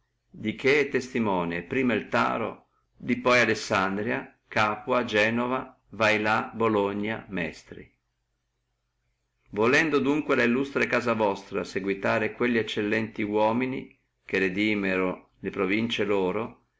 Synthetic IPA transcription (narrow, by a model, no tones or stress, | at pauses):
d̪ikʰet̪ːest̪imɔːnepɾiːmailt̪a̰ːɾo̰ | d̪ipɔjalesːand̪ɾja | kaːpwad͡ʒɛːnova | vajlaboloɲːa̰mɛ̰st̪ɾḭ | volɛnd̪od̪uŋkwelailːust̪ɾekaːzavɔst̪ɾaseɡwit̪aːɾekweʎːiɛt͡ʃːelːɛnt̪iwɔːmini | kered̪iːmeɾo | lepɾovint͡ʃeloːɾo